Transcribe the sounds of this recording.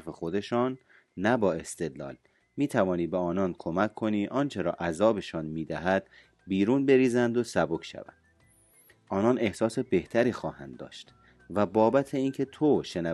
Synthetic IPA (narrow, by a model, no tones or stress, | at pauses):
fexo̞d̪e̞ʃɔːnː | æbɒːe̞st̪e̞d̪lɒ̰ːl | miːt̪ʰævɒːniːbeɒːnɒːnkʰo̞mæcʰːo̞niːʔɒːnt͡ʃʰe̞ɾɒ̰ːʔæzɒːbe̞ʃɒːnmiːd̪æɦæd̪̥ | biːɾuːnbe̞ɾiːzænd̪osæbo̞kʰʃæ̰væ̰nd̪̥ | ʔɒːnɒːnʔe̞hsɒːse̞be̞ht̪ʰæɾiːxɒːhæ̰nd̪dːɒ̰ːʃt̪ | væbɒːbæt̪ʰe̞iːncʰe̞t̪ʰoʃe̞næ